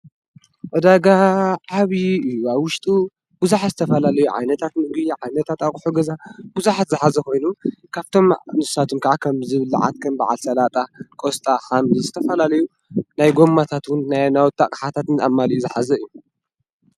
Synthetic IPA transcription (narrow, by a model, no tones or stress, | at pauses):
ʔɔd̪aɡaʕaβiɨjːuaβwʊʃt̪ʼu | b̥ɨzuħazɨt̪ʰɐfɐlalɐjuʕa̰jnɐt̪ʰat̪nɨɡiʕajnɐt̪ʰat̪akʼħuɡɐzabɨzuħat̪zɨħazɐko̞jnukʰaβt̪ʰo̞mnɨssat̪ʰumkʰaʕakʰɐmzɨβɨlːʕa̰t̪̚kʰɐmba̰ʕa̰lsɐlat̪ʼakʼost̪ʼaxamizɨt̪ʰɐfɐlalɐju | najɡo̞mːat̪ʰat̪wʊnnajnawt̪ʰːakʼħat̪ʰat̪nɨamːaliuzɨħazɐɨjːu